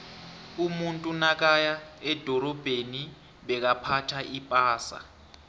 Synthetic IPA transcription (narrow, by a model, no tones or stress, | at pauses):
umuntʼunak̬ajaɛd̥ʱɔɾɔb̥ʱeni | ɓɛk̬apʰatʰaʔipʼaːsa̰